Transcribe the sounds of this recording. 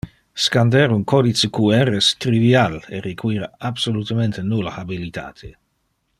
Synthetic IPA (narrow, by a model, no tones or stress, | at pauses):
skand̪ɛɾunkʰɔd̪it͡sekuɛrest̪ɾivialeɾikʰwiːɾaabsolut̪ament̪enulaabilit̪a̰ːt̪ʰe